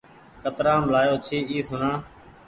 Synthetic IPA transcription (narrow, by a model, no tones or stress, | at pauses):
kət̪ɾaːmlaːjoːt͡ʃʰiːiːsʊnãː